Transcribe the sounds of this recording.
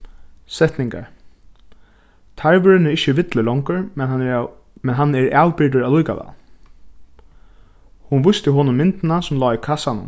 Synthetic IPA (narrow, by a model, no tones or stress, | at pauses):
sɛt̪nɪŋka̰ɹ | t̪ʰaɹʋʏɾɪnɪɪhçəʋɪt̪ləlɔŋkʊɹmɛnn | mɛnɦanːɛɹaːwpɪɹt̪̬ʊɹalujka̰ʋa̰ | hunʋʊjst̪ɪɦɔːnʊnmɪnt̪ɪnasʊmlɔːikʰasanʊ̰m